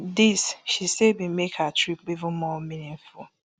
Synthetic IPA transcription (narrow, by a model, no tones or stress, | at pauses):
disʃisebimekhatɹip̚bivə̃nmɔminĩŋfu